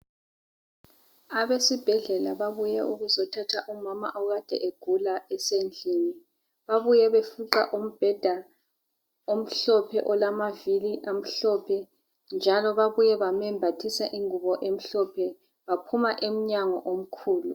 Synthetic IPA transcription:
aβesib̥ʱɛɮɛlaβaβujɛʔuɣuzɔtʰatʰaʔumama̰ʔɔɣad̥ʱɛ̰ʔeɡ̥ʱulaɛsend͡ɮʱiːni | βaβujɛβefuǁa̰ʔom̩b̥ʱɛd̥ʱa | om̩ɬɔpʰɛʔɔlamaviliʔam̩ɬɔpʰɛ | nd͡ʒʱalɔβaβujɛβamɛmbʱatʰisaʔiŋuβɔʔem̩ɬɔpʰɛ | βapʰumaʔem̩ɲaŋɔʔom̩kʰuːlu

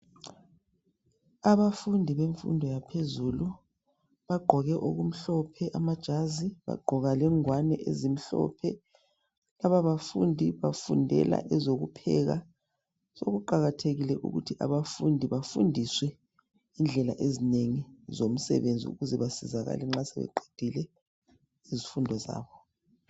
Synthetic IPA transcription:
aβafundʱiβeɱfṵndʱɔjapʰezuːlu | βaɡ͡ǃʱɔɣɛʔoɣum̩ɬɔpʰɛʔamad̥ʒ̥ʱaziβa̰ɡ͡ǃʱɔɣalɛŋwanɛʔezim̩ɬɔ̰pʰɛ | laβaβafundʱiβafundʱɛ̰la̰ʔɛzoɣupʰɛ̰ɣa | soɣuǃaɣatʰeɣilɛʔṵɣutʰiʔaβafundʱiβafundʱiswɛ | ind͡ɮʱɛla̰ʔezineŋizom̩sɛ̰βend͡zʱḭṵɣuzɛβasizaɣa̰lɛŋ͡ǁasɛβɛ̰ǃe̥d̥ʱilɛ | izifundʱɔza̰ːβɔ

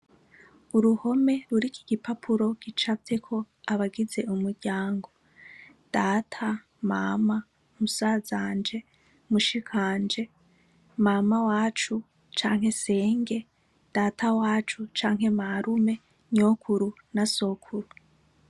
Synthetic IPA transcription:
uɾuho̞me̞ɾuɾiki̥ɡ̥ipapʰuɾo̞ɡ̥it͡ʃate̞kʰo̞ | aβaɡize̞ʔumuɾɟaːŋɡo̞ | d̥atʰa | ma̰ma | musaːzaːnd͡ʒe̞ | muʃikʰaːnd͡ʒe̞ | mamawaːt͡ʃu | t͡ʃaːŋ̥ɦe̞se̞ːŋɡe̞ | d̥atʰawaːt͡ʃut͡ʃaːŋ̥ɦe̞maɾume̞ | ɲoːkʰuɾu | naso̞kʰuɾu

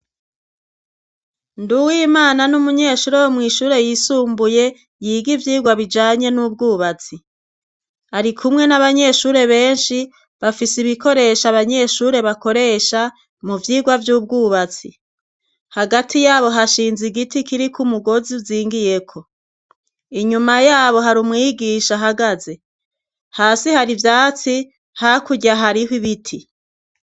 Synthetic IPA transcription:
nduwiːmaːnanumuɲe̞ːʃuːɾewomŋiːʃuːɾe̞jisuːmbuje̞ | jiːɡivjiːɡwaβid͡ʒaːɲe̞nub̚ɡuːβat͡si | aɾikʰumŋe̞naβaɲe̞ːʃuːɾe̞βe̞ːnʃi | βafisiβiko̞ɾe̞ʃaβaɲe̞ːʃuːɾe̞βako̞ɾe̞ʃa | muvjiːɡwavjuːb̚ɡuːβat͡si | haɡatʰijaːβo̞ɦaʃiːnziɡitikiɾikumuɡo̞ziuziːŋɡije̞kʰo̞ | iɲumajaːβo̞ɦaɾumŋiːɡiːʃaɦaɡaze | haːsihaɾivjaːt͡si | hakuɟaɦaɾihwiβitʰi

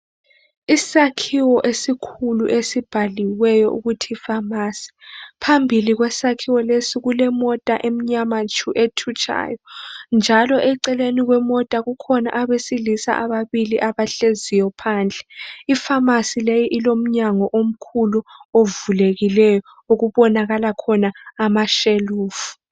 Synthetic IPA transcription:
isakʰiwɔʔesikʰuluʔesib̥ʱaliwɛjɔ̰ʔṵɣutʰiːfamaːsi̥pʰambʱiliɣwɛsakʰiwɔlesiɣulɛmɔtʼaʔem̩ɲamat͡ʃʰʼuʔetʰut͡ʃʰʼa̰ːjɔnd͡ʒʱalɔʔɛǀɛleniɣwɛmɔtʼaɣukʰɔna̰ʔaβesilisa̰ʔaβaβiliʔaβaɬezijɔpʰaːnd͡ɮʱɛifamasilejiʔilom̩ɲaŋɔʔom̩kʰuluovuleɣilɛjɔ | oɣuβɔnaɣalakʰɔnaːmaʃeluːfu̥

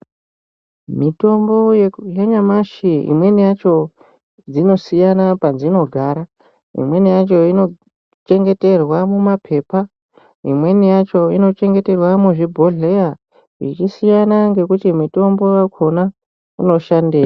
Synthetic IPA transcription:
mito̞mbo̞jjeɲamaʃiḭmwe̞nijat͡ʃo̞ | d͡zino̞sijanapad͡zino̞ɡʱaːɾa | ḭmwe̞nijat͡ʃo̞ino̞ | t͡ʃe̞ŋɡe̞te̞rwamumapʰe̞ːpa | ḭmwe̞nijat͡ʃo̞ino̞t͡ʃe̞ŋɡe̞te̞rwamuʐibʱoɮeja | ḭt͡ʃisijanaŋɡe̞kutimito̞mbo̞jakʰo̞na | uno̞ʃandeːja

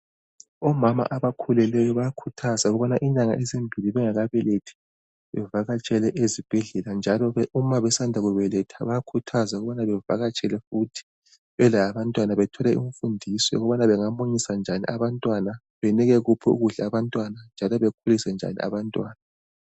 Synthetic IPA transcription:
ɔmama̰ʔaβakʰulɛlɛjɔβajakʰutʰazauɣuβɔnaʔiɲaŋa̰ʔɛzembʱiliβɛŋaɣaβɛletʰi̥ | βɛvaɣat͡ʃʼɛlɛʔezib̥ʱɛɮɛland͡ʒʱalɔumaβɛsandʱaɣuβɛlɛtʰaβaakʰutʰazaɣuβanaβɛvaɣat͡ʃʼɛlɛfutʰi̥ | βɛlaβantʼwanaβɛtʰɔlɛuɱfundʱisɛ̰ɔɣɔβanaβɛŋamoɲisand͡ʒʱaniʔaβantʼwana | βɛniɣɛɣupʰɔṵɣuɮaaβantʼwanand͡ʒʱalɔβekʰulisɛnd͡ʒʱa̰nḭʔa̰βantʼwaːna

